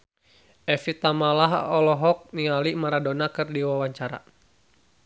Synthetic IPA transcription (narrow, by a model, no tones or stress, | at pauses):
ʔɛfit̪amalaɦɔlɔɦɔk̚nialimaɾadɔnakɨrdiwawaɲt͡ʃaɾa̰